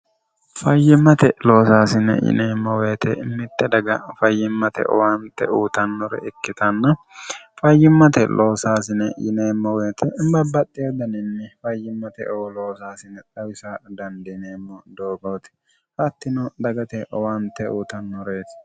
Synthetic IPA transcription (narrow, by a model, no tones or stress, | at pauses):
fɐjːɪmːɐt̪ɛlo̞ːsaːsɪnɛ̰jɪ̰neːmːɔweːt̪ɛɪmːɪt̪ːɛd̪ɐɡɐfɐjːɪmːɐt̪ɛ̰ʔɔ̰want̪ːɛuːt̪ɐnːɔɾɛ̰ɪkːɪt̪ʰɐnːɐ | fɐjːɪmːɐt̪ɛ̰lʔo̞ːsaːsɪnɛjɪ̰neːmːɔweːt̪ʰɛɪmbɐbːɐt̪ʼːed̪ɐnɪnːɪfɐjːɪmːɐt̪ɛ̰ʔɔwɔloːsaːsɪnɛt̪ʼɐwɪsad̪ɐnd̪ɪneːmːɔd̪oːɡɐwt̪ɪ̥ | hɐt̪ːɪnɔd̪ɐɡɐt̪ɛʔɔwant̪ːɛuːt̪ɐnːɔɾeːt̪